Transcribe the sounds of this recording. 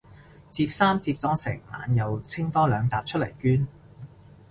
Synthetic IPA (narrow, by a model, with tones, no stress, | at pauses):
t͡siː˧p̚saː˥mt͡siː˧p̚t͡sɔː˨˥ŋsɪ˨˩ŋma̰ː˨˧njɐ˨˧wt͡sʰɪ˥ŋt̪ɔː˥lœː˨˧ŋt̪aː˨˧p̚t͡ʃʰɵ˥t̚lɐ̰˨˩jkyː˥n